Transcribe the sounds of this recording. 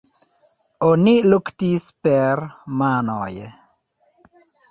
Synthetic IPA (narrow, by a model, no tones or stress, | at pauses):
oniluktispɛrmanɔ̰jɛ